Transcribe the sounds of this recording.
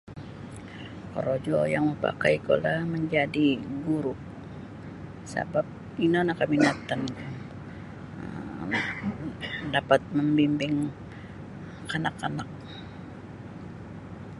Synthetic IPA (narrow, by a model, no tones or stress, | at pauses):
ko̰ɾod͡ʒojaŋməpa̰kajko̰laməɲd͡ʒadiɡuɾʊʔ | sa̰bap̚ | inonakaminat̪an | ə | dapat̪̚məmbimbɪŋ | anakːanak̚